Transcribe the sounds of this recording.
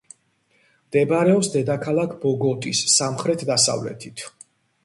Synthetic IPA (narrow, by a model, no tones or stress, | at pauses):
md̪̥ɛbaɾɛɔpsd̪ɛd̪akʰalˠakʰbɔɡɔt̪ʼisːamχɾɛt̪ʰd̪asa̰vlɛ̰t̪ʰit̪ʰ